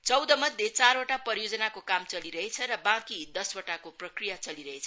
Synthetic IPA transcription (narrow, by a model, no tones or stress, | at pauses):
t͡sʌwd̪ʌmʌd̪ʱjet͡saɾoʈapʌɾjod͡zʌnakokamt͡sʌliɾʌɦet͡sʰʌɾʌbãkid̪ʌswoʈakoprʌkrijat͡sʌliɾʌɦet͡sʰʌ